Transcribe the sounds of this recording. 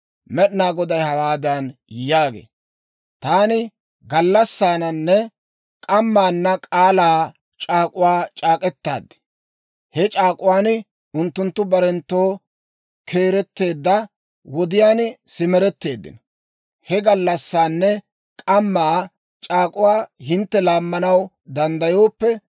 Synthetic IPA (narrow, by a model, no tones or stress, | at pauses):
mɛɗnaːɡɔd̪ɐjhɐwaːd̪ɐnjjaːɡḛː | t̪aːnɪ | ɡɐlːɐsːaːnɐnːɛ | kʼɐmːaːnːɐkʼaːlaː | t͡ʃʼaːkʼʊwaːt͡ʃʼaːkʼɛt̪ːa̰ːd̪ːɛ̥ | hɛt͡ʃʼaːkʼʊwaːn | ʊnt̪ːʊnt̪ːʊbɐɾɛnt̪ːo̞ː | kʰe̞ːɾɛt̪ːe̞ːd̪ːɐ | wɔd̪ɪjaːnsɪmɛɾɛt̪ːe̞ːd̪ːɪ̰nɐ | hɛɡɐlːɐsːaːnːɛ | kʼɐmːaː | t͡ʃʼaːkʼʊwaːhɪnt̪ːɛlaːmːɐnɐw | d̪ɐnd̪ɐjo̞ːpːɛ